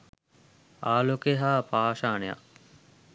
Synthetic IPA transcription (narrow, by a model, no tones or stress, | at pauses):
aːlokeɦaːpaːʃaːneja̰k